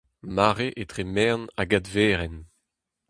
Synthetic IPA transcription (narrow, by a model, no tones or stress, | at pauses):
maːʁeʔet̪χemɛʁnaɡadveːʁɛn